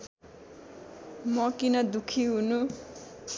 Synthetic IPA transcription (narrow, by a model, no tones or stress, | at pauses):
mʌkinʌd̪ukʰiɦunu